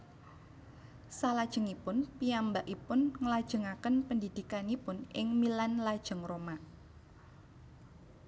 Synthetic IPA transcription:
salad̥ʒ̥ə̤ŋipʊnpiambaʔipʊnŋəlad̥ʒ̥ə̤ŋakənpəndid̥ikanipʊnɪŋmilanlad̥ʒ̥ə̤ŋroma

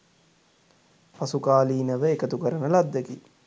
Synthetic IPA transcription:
pasukaːliːnəʋəekət̪ukəɾənəlad̪ːeki

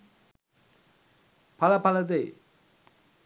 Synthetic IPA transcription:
pɐlɐpɐlɐðḛ

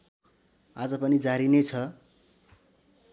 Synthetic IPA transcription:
ad͡zʌpʌnid͡zaɾinet͡sʰʌ

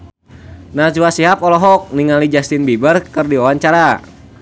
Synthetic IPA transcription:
nad͡ʒuasiɦapɔlɔɦɔk̚niŋalid͡ʒast̪ɪnbibərkɨrdiawaɲt͡ʃaɾa

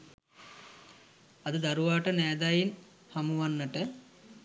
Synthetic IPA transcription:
ɐd̪əd̪aɾuʋaːʈənɛːd̪ajin | hamuʋanːəʈə

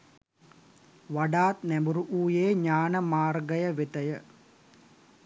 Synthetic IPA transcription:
ʋaɖaːt̪næmbuɾuʔuːjeːɲaːnəmaːrɡəjəʋet̪əjə

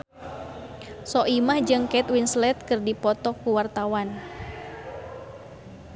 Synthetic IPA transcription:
sɔʔimahd͡ʒɨŋkɛt̪winslɛt̪̚kɨrdipɔt̪ɔkuwart̪awan

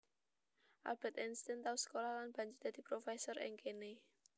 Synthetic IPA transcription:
ʔa̰b̥ɛt̪ɛnst̪ɛnt̪ausə̥kolahlanb̥ä̤ɲd͡ʒɪrd̪̥a̤d̪̥i̤pɾofɛsɔrɪ̰ŋkene

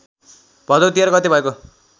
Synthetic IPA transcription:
b̥ʱʌd̪ot̪iaɾkʌt̪ibʌeko

